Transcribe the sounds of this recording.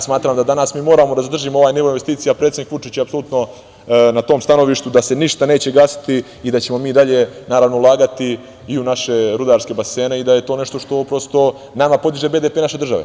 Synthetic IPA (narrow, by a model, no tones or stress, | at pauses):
smaːt̪ɾaːmd̪ad̪anasmiːmo̞ːɾaːmod̪azad̪r̩ʒimoo̞ʋaːjniʋoinʋest̪iːt̪sijapɾet̪sed̪nikʋut͡ʃit͡ɕeapso̞lut̪no̞ | nat̪o̞ːmst̪ano̞ʋiːʃt̪ud̪ase̞niʃt̪ane̞ːt͡ɕe̞ɡasi̥t̪iː | d̪at͡ɕemo̞miːd̪aʎe̞naːɾaʋnoulˠaːɡat̪i | iunaʃe̞ɾud̪aːɾskʲe̞base̞ːne̞id̪ajet̪o̞ːne̞ʃt̪o̞ʃt̪o̞pɾo̞st̪o̞ | namapo̞d̪iʒebe̞ːd̪epenaʃe̞d̪r̩ʒaʋḛ